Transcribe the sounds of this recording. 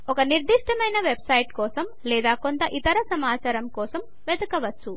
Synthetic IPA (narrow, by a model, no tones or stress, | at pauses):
ɔkɐniɾd̪iʂʈɐmɐjnɐʋebsɐjʈkɔːsɐm | lɛːd̪aːko̞nt̪ɐʔit̪ɐɾɐsɐmaːt͡ʃaːɾɐmkɔːsɐm | ʋed̪ukɐʋɐt͡ʃːu